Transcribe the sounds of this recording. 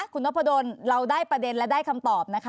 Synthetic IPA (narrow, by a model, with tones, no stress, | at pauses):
kʰu˧nː˦˥pʰːa˧doː˧nɾa˧wdaː˥˩jpɾa˧de˧nlɛ˦˥daː˥˩jkʰa˧mt̪ɔː˨˩p̚na˦˥kʰa˦˥